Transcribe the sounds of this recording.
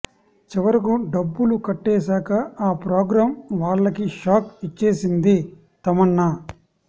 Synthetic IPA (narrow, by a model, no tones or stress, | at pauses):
t͡ʃiʋɐɾikuɖɐbːulukɐʈːeːsaːkɐaːpɾoːɡɾaːmʋaːɭːɐkiʃaːkit͡ʃːe̞ːsind̪i | t̪ɐmɐɳːɐ